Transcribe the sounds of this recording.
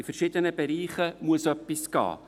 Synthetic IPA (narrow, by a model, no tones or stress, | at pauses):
ɪfəɾʃɪd̪ənəbɛɾiːχəmuəsœpːisɡ̥ɑ̰ː